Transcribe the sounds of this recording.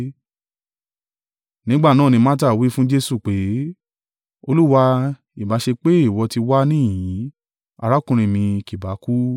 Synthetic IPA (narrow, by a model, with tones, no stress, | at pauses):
nĩ˨˦ɡ͡ba˦˨nãː˦˨nĩ˧mã˦ta˦˨wi˨˦fũ˦d͡ʒe˦su˦˨k͡pe˨˦ | o˧lu˦wa˧ | i˨ba˨˦ʃe˧k͡pe˦i˦˨wɔ˨˧ti˧wa˦nĩ˦˨jĩ˨˦ | a˧ɾa˦kũ˦˧ɾ̃ĩ˧˨mĩ˧ki˨ba˨˦ku˦